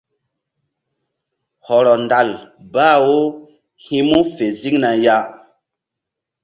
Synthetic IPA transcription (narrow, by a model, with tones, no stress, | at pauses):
hɔ˨ɾɔ˨nda˨l | baː˦˨wo˦ | hi˦mu˦fe˨zi˦ŋna˨ja˦